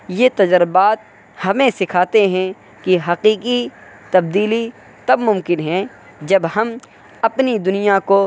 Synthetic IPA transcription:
jet̪ɐd͡ʒəɾbaːt̪̚ | hɐmẽsɪkʰaːt̪eɦɛ̃ | kiɦɐqiːqi | t̪ɐb̚d̪iːli | t̪ɐbmʊ̃mkɪnɦɛ̃ | d͡ʒɐbhɐm | ɐpnid̪ʊnijako

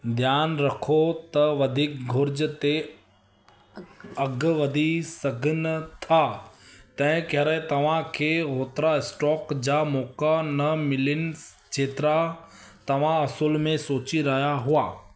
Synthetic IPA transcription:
d̪ʱjaːnɾɐkʰot̪ɐʋɐd̪ʱiːk̚ɡʱʊɾd͡ʑt̪e | ɐɡʋɐd̪ʱisɐɡʱənt̪ʰaːt̪ɐ̃ɦɪ̃kɐɦɾəet̪ɐʋ̤ãkʰeɦoːt̪ɾaɪsʈɔːkd͡ʑamɔːkanɐmɪlɪnɪ̆ | t͡ʃʰeːt̪ɾa | t̪ɐʋ̤ãɐsulmẽsoːt͡ɕiɾɐɦijaɦʊaː

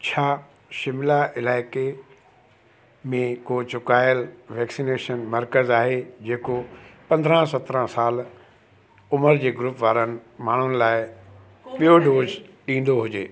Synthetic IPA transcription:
t͡ɕʰaː | ʃɪmɪlaʔɪlaːɪke | mẽkoːt͡ɕʊkaːɪəlʋɛːksineːʃənmɐɾkəzaːɦed͡ʑeːkopɐ̃nd̪ʱɾə̃sɐt̪ɾə̃saːl | ʊməɾd͡ʑeːɡɾʊpʋaːɾənɪ̆maːɳ̤ʊnɪ̆laːɪ | ɓijoɖoːzɗĩːn̆d̪oɦʊd͡ʑeː

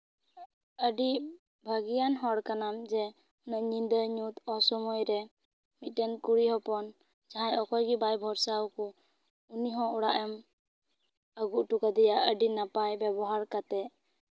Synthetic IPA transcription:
əɖi | bʱəɡijanɦɔɽkanamd͡ʒɛ | ɔnaʔɲind̪əɲut̪ɔsɔmɔjɾɛ | mit̪̚tɛnkuɽiɦɔpɔn | d͡ʒaɦãjɔkɔjɡibajbʱɔɾsawkɔ | uniɦɔ̃uɽaʔɛm | əɡuʔʈukad̪ɛjaʔəɖinapajbɛbɔɦaɾkat̪ɛ

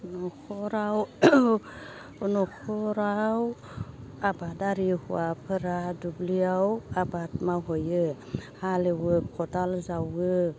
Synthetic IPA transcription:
nɔkʰɔɾaw | ɔnɔkʰɔɾaw | abadaɾihuapʰɯɾadubliawabat̚maɦɔjɯhalewɯkʰɔdalzawɡɯ

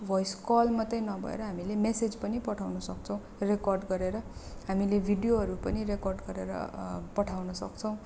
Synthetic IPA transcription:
bʱʌjskʌlmʌt̪ʌjnʌbʱʌ̰ḛɾʌɦamilemesed͡zpʌnipʌʈʰawnʌsʌk̚t͡sʰʌw̃ | rekʌrɖɡʌɾeɾʌɦamilebʱiɖijoɦʌɾupʌniɾekɔrɖɡʌɾeɾʌ̰pʌʈʰawnʌsʌ̰kt͡sʰʌ̃w̃

